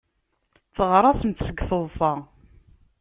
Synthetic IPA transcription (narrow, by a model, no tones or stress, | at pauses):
t͡sːəʁɾˤɑsənt̪səɡθəðˤsˤɑ